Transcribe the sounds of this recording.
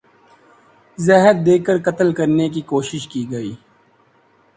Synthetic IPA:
zɛɦət̪̚d̪eːkəɾkɐt̪əlkɐɾnekikoːʃɪʃkiːɡɐiː

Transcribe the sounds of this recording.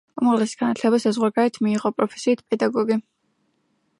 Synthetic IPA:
umaʁlɛsi̥ɡ̥anat̪ʰlɛbasazʁwaɡaɾɛt̪ʰmiːʁɔpʼɾɔpʰɛ̥siːt̪ʰpʼɛd̪aɡɔɡi

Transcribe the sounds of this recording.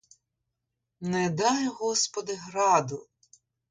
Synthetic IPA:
nɛd̪ɑjɦɔspɔd̪ɪɦɾɑd̪ʊ

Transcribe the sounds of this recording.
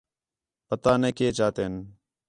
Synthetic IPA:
pət̪aːneːkeːt͡ʃaːt̪eːn

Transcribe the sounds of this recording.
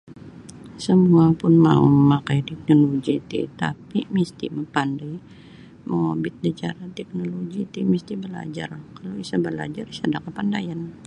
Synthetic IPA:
səmuapʊnma̰ṵməmakajt̪ɛk̚noloɡit̪ḭt̪a̰pimist̪ḭməpandaj | məŋabɪt̪̚dət͡ʃa̰ɾat̪ɛk̚noloɡit̪imist̪ibəla̰d͡ʒa̰rkalowisabəla̰d͡ʒarisadakəpandajan

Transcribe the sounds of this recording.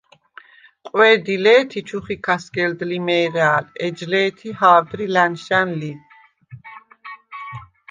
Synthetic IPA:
qʼwɛːd̪ilɛːt̪ʰit͡ʃʰuχikʰasɡɛld̪limɛːɾaːlɛd͡ʒlɛːt̪ʰihaːd̪ɾilanʃanli

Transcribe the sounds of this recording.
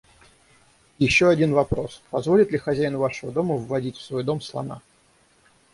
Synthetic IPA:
jɪɕːo̞ɐdʲinvɐpɾo̞spɐzvo̞lʲɪt̪lʲɪxɐzʲæjɪnvaʂəvəd̪o̞məvːɐdʲitʲfsvo̞jd̪o̞mslˠɐ̰na̰

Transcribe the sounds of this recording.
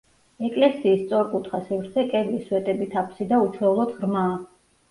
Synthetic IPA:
ɛkʼlɛsiːst̪sʼɔɾkʼut̪ʰχasivɾt̪sʰɛkʼɛviswɛt̪ʼɛbit̪ʰapʰsid̪aut͡ʃʰlɔlˠɔd̪ʁɾmaː

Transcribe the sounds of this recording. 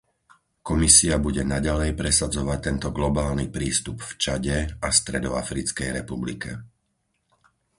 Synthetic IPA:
kɔmisiabuɟɛnaɟalɛjpɾɛsad͡zɔʋac̚t̪ɛnt̪ɔɡlɔbaːlnipɾiːst̪upft͡ʃaɟɛast̪ɾɛd̪ɔafɾit͡skɛjɾɛpublḭkɛ

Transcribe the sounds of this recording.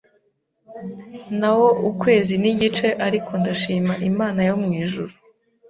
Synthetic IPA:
nawo̞ʔukwe̞ːziniɟit͡ʃe̞ʔaɾikʰo̞ndaʃiːmaʔimaːnajo̞mŋiːʒuɾu

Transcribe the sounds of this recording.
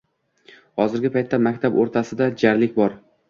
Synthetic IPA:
hɒzɪɾɡʲɪpʰajt̪ʰːamakʲt̪ʰaboɾt̪ʰasɪd̪ad͡ʒaɾlɪkʲbɒɾ

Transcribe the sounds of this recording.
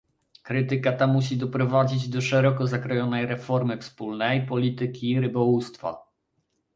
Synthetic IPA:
kɾɘt̪ɘkat̪amuɕ̬id̪ɔpɾɔvad͡ʑid͡ʑd̪ɔʂɛɾɔkɔzakɾɔjɔnɛjɾɛfɔɾmɘfspulnɛjpɔlʲit̪ɘkʲiːɾɘbɔwust̪fa̰

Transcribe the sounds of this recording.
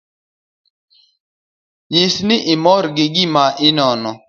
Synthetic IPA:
jɪsnɪʔɪmɔɾɡɪɡimaʔɪnɔnɔ

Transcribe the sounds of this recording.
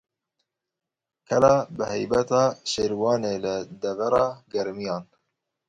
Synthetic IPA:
kʰɛlɑːbɨhɛjbɛt̪ɑːʃeːɾwɑːneːlɨd̪ɛvæɾɑːɡɛɾmijɑːn

